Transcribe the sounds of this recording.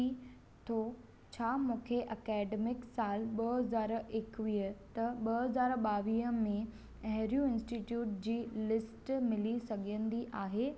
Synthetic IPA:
i | t̪ʰo | t͡ɕʰaːmũːkʰeʔɐkɛːɖemɪksaːlɓɐɦɐzaːɾɪkʋiːɦət̪ɐɓɐɐzaːɾɓaːʋiːɦə̆mẽ | ɐɦɪɾijũɪ̃nsʈiʈjuːʈ̚d͡ʑiːlɪsʈmɪlisɐɡʱə̃nd̪iʔaːɦeː

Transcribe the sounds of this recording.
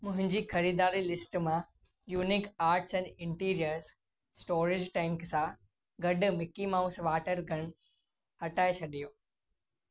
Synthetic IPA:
mʊ̃ɦɪ̃ɲd͡ʑiːxɐɾiːd̪aːɾilɪsʈmã | juːnɪkaːɾʈsɛ̃ːnɖɪ̃ɳʈiːɾijəɾz | sʈoːɾɪd͡ʑʈɛ̃ːŋksã | ɡɐɖʊ̆mɪkimaːʊsʋaːʈəɾɡʱɐɽ̃ | hɐʈaːet͡ɕʰɐɗijoː

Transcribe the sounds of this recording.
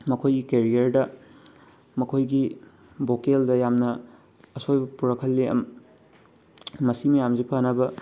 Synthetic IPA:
mɐkʰojɡikeɾijɐɾdɐ | mɐkʰojɡi | bokeldɐjamnɐː | sojbɐpuɾɐkʰɐlːeɐ̰m | mɐsimijamzipʰanɐbɐ

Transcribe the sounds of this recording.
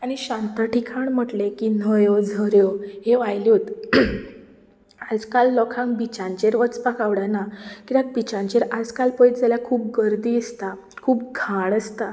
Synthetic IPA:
aɽ̃iɕãnt̪əʈikʰaɳm̤əʈlekinəjod͡zʱəɾjoɦeʋajljot̪ | ad͡zkalːɔkʰãŋbit͡ɕãɲt͡ɕeɾʋət͡spakaʋɽanakit̪ak̚bit͡ɕãɲt͡ɕeɾad͡zkalpəit̪d͡zaljakʰuːp̚ɡəɾd̪iːəst̪a | kʰuːp̚ɡʱaɳəst̪a

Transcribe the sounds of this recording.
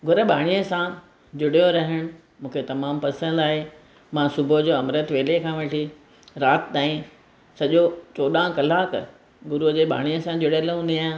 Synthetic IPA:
ɡʱʊɾə̆bʱa̰ːɽ̃ijəsã | d͡ʑʊɽjoɾɐɦəɽ̃ʊ̆ | mũːkʰet̪ɐmaːmpɐsə̃nd̪aːɦe | mãːsʊbʱod͡ʑoːɐmɾət̪ʋeːlekʰãːʋɐʈʰi | ɾaːt̪t̪aːĩ | sɐʄot͡ɕoːɗãkɐlaːk | ɡʊɾud͡ʑeːɓʱa̰ːɽ̃ijəsãd͡ʑʊɽəlɦũːnd̪iaː

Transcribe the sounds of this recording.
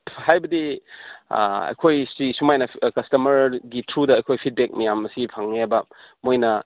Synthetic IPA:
hajbɐdḭ | ɐ̰jkʰojsɾisumajnɐkɐstɐmɐɾɡitʰɾudɐːjkʰojpʰit̚bek̚mɐjamɐsipʰaŋneabɐmojnɐ

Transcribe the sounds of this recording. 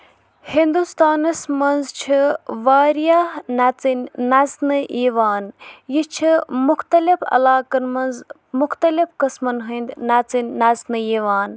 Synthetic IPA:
hind̪ust̪aːnɐsmɐnzt͡ʃʰiʋaːɾijaːnɐt͡sinnɐznɨʔiːʋaːnjit͡ʃʰimʊxt̪ɐlifɐ̰laːkɐnmɐnz | mʊxt̪ɐlifkɐsmɐnɦɨnd̪nɐt͡sinʲnɐznɨjiːʋaːn

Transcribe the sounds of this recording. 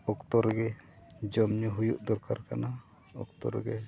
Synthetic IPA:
ɔkt̪ɔɾɡɛd͡ʒɔmɲuɦujuʔd̪ɔɾkaɾkana | ɔ̰kt̪ɔ̰ɾɡɛ

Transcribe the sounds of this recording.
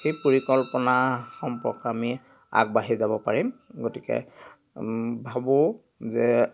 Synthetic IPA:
xejpoɹikɔlpɔnaxɔmpɔkami | a̰k̚baɦizabɔpaɹimɡotikɛ̰ | bʱabʊ | zɛ

